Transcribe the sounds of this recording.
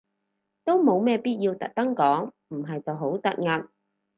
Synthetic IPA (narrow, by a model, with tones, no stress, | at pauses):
t̪o˥wmo˨˧wmɛː˥piː˥t̚jiː˧wt̪ɐ̰˨k̚t̪ɐ˥ŋkɔː˨˥ŋ | m̩˨˩ɦɐ˨jt͡sɐ˨wɦo˨˥wt̪ɐ˨˥t̚ŋɐ˨p̚